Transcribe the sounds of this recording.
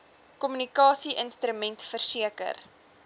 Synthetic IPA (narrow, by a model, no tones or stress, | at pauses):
kɔmynikɑːsiʔənstɾəmɛntfərsiəkə̰r